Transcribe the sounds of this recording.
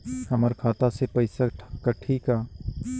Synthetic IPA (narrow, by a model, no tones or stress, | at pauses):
həməɾkʰaːt̪asepəɪsaʈkəʈʰiːkaː